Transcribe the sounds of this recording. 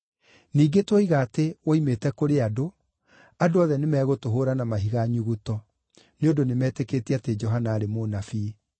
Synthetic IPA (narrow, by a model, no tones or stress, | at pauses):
niːɡetwɔiɣatewoimetɛkoɾeado | adoɔðɛnemɛːɣotoɦoːɾanamaɦiɣaɲuɣutɔ | neodonemɛːtekeːtiated͡ʒɔɦanaːɾemonafi